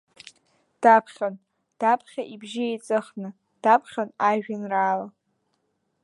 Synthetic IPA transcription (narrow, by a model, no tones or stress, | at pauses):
d̥apʰχʲan | d̥apʰχʲaʔibʒɪejt͡sʼɨχnɨ | d̥apʰχʲanaʒᶣɪnraːla